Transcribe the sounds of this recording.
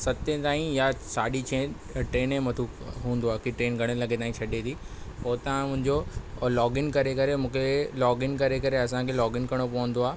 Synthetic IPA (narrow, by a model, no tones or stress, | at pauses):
sɐt̪ẽt̪aːɦĩjasaːɗit͡ɕʰẽ | ʈɾeːnẽmɐt̪ʰukɦũːn̆d̪oaːkiʈɾeːnɡʱɐɽ̃əlɐɡet̪aːĩt͡ɕʰɐɗet̪ʰiːpoːt̪aãmʊ̃ɦɪ̃ɲd͡ʑolɔːɡɪnkɐɾekɐɾemũːkʰelɔːɡɪnkɐɾekɐɾeɐsãkʰelɔːɡɪnkɐɾɽ̃opɐʋə̃n̆d̪oaː